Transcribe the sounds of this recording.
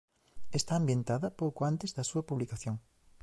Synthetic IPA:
est̪aːmbjent̪aðɐpowkoant̪ezðɐsuɐpuβlikaθjoŋ

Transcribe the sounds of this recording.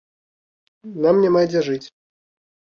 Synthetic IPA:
namnʲamajd͡zʲɛʐɨt͡sʲ

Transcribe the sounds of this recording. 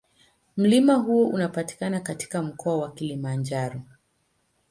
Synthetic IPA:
m̩limaɦuɔʔunapati̥kanakati̥kam̩kɔawakilimand͡ʒaɾɔ

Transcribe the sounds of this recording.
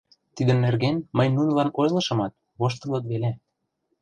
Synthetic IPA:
t̪id̪ə̆nːerɣenməjnunɤ̆lɑnojlɤ̆ʃɤ̆mɑt̪̚ | βoʃt̪ɤ̆lɤ̆t̪βele

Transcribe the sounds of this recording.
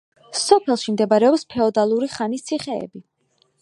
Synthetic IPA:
sɔpʰɛlˠʃimd̪ɛbaɾɛɔpspʰɛɔd̪alˠuɾiχanist̪sʰiχɛɛ̰bi

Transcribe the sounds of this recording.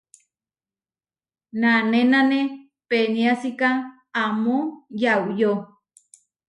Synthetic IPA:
nanenane | peniasika | amojawjo

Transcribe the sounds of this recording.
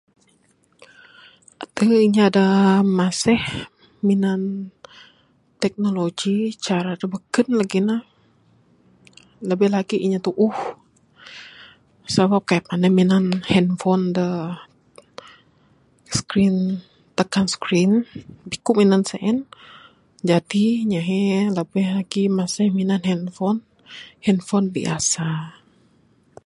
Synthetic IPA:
ʔat̪əiɲaadamasɛh | minan | t̪ɛk̚noloɡit͡ʃaɾadabəkənlaɡinah | ləbɛhlaɡiʔiɲat̪uʔʊh | səbap̚kajapanəminanhɛnfɔndə | skɾin | t̪əkanskɾɪnbikʊʔminansəʔɛn | d͡ʒadiɲaɦɛləbɛhlaɡimasɪhminanhɛnfɔn | hɛnfɔnbḭa̰sa

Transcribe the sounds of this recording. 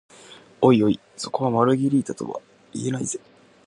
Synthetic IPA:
o̞io̞i | so̞ko̞βamaɾɯ̟ɡʲiɾʲiːt̪at̪o̞̰βa̰ | ḭe̞naiz̥e̞

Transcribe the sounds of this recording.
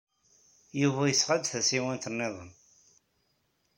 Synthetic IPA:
juvæjəsʁəd̪θæsiwænt̪ənːɪðˤə̰n

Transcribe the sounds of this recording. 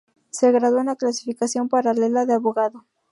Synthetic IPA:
seɣɾaðounaklasifikasjo̞mpaɾale̞laðeaβoɣaðo

